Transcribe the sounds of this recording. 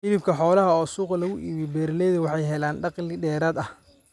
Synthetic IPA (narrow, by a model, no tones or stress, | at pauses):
ʔɪβɪbkʰɐħɔːlɐɦɐɔːsuːqɐlɐɣʊʔiːβibɛːɾlɛːðɐwɑħɑjɦɛlaːnɖɑqlɪɖɛːɾaːd̪ɐh